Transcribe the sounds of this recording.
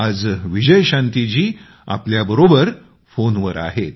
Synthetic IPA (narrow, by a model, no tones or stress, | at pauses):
ad͡zʋid͡ʑəjɕãnt̪it͡ɕiː | a̰pljabəɾobəɾ | fonʋəɾa̰ɦet̪